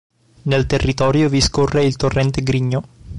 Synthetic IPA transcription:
nelt̪erːit̪ɔːɾjoviskorːeilt̪orːɛnt̪eɡɾiɲːo

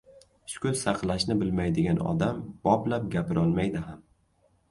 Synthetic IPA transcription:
ʃʊ̥kʰʊlsɑqlˠaʃnɪbɪlmajd̪ɪɡʲanɒ̰d̪amb̥ɒblap̚ɡʲapʰɪɾʔɒlˠmajd̪ɪɦam

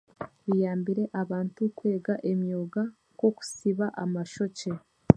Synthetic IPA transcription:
βijaːmbiɾe̞ʔaβaːntukwe̞ːɡaʔe̞mjoːɡa | ko̞ku̥siβaʔamaʃo̞ce

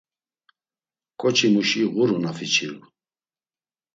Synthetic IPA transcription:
kʼɔt͡ʃʰimuʃiɣuɾunafit͡ʃʰil

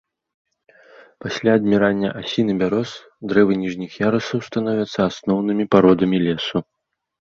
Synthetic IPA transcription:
pasʲlʲaːd̪mʲiɾanʲːɐ̰ʔasʲinɨbʲaɾɔs | d̪ɾɛvɨnʲiʐnʲixjaɾɐsɐwst̪anɔvʲɐt̪sːɐasnɔwnɨmʲipaɾɔd̪ɐmʲilʲɛsu

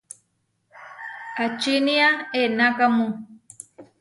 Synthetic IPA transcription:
at͡ʃiniaenakamũ

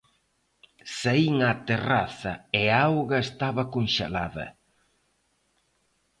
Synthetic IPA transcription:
saiŋat̪eraθɐeaawɣɐest̪aβɐkonʃḛlaðɐ̰

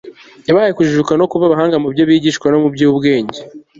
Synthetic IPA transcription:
jaβahajekuʒuukano̞kuβaβaɦaːŋɡamubjoβiːɟiːʃkwano̞mubɟuubɡeːɲɟe

